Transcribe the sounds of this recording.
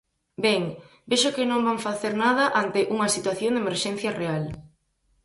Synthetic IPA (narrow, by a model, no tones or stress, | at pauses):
bɛŋ | beʃʊkɪnõmbaŋfaθeɾnað̞ɐʔant̪ɪʔuŋɐsit̪waθjoŋd̪emeɾʃɛn̟θjɐreal